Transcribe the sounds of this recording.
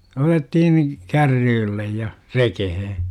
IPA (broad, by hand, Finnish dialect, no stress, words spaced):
otettihin kærːyːlːej jɑ rekehe